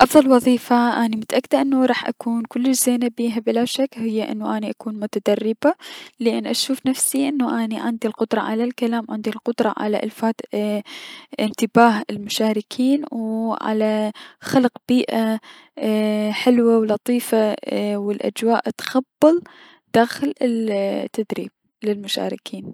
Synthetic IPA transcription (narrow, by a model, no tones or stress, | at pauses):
ʔɑfðˤɑlwɑðˤiːfaʔanimʊt̪aʔakːɪd̪aʔɪnːuɾˤɑːħʔa̰kuːnkʊlːɪʃz̥eːnabiːɦabɪlaʃakhɪjːaʔɪ̰nːuʔaniʔakuːnmʊt̪ad̪ɑrˤːɪbalɪʔɪnːʔaʃuːfnafsiʔɪnːuʔaniʕɪnd̪ilqʊd̪ɾˤɑʕa̰lalkalaːmwʕɪnd̪ilqʊd̪ɾˤɑʕa̰la̰ʔɪ̰lfaːd̪ | ɪnt̪ɪbaːhɪlmʊʃaːɾɪkʰiːnwʕa̰laxalqb̥iːʔa | ħɪlwawlɑt̪ˤiːfawɪlʔa̰d͡ʒwaːʔt̪xabːɨl | d̪̥aːxɪlɪlt̪ːad̪ɾḭːb̥̚ | lɪlmʊʃa̰ːɾɪkʰiːn